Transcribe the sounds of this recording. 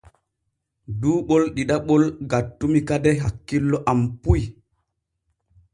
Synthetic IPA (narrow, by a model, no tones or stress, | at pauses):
duːɓɔlɗiɗaɓɔlɡatːumikadɛɦakːilːɔʔampuj